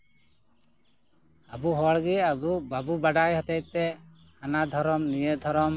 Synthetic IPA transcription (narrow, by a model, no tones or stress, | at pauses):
abuɦɔɭɡiabubabubaɖajɦɔt̪ɛj̚t̪ɛ | hanad̪ʱɔɾɔmnijed̪ʱɔɾɔm